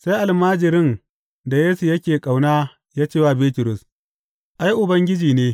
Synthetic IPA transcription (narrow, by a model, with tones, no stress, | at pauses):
sa˦jʔa˨lmaː˦d͡ʒɪ˨ɾɪ˦n | da˨jeː˦su˨jɐ˦kʲeː˨kʼa˨wnaː˦ | jaː˦t͡ʃeː˦˨waː˦beː˦tʊ˨ɾʊ˨s | ʔa˦jʔʊ˨bɐ˦ŋɡʲɪ˦d͡ʒiː˨neː˦